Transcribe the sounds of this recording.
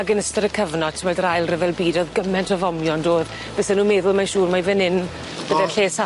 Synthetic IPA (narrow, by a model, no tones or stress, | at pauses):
aɡənəstəɾəkʰəvnɔ̥tʰəmɛdrajlˠrəvɛlˠbiːdoðɡəmɛntʰɔvɔmjɔndoːð | b̥esɛnuːmɛðʊlˠmanʃuːrmavɪnɪn | b̥əðɛnɬeːsa